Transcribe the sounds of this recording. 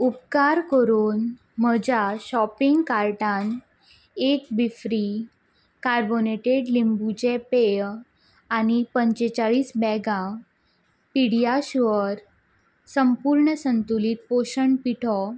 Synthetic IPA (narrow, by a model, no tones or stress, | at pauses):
upkaɾkəɾuːn | məd͡ʑaɕɔpiŋɡkaɾʈan | ek̚bifɾi | kaɾboneʈeɖlimbut͡ɕepe | añipəɲt͡ɕet͡ɕaɭiːsbɛɡã | piɽijaɕʋəɾ | səmpuɾɳəsənt̪ulit̪̚poɕəɳpiʈʰɔ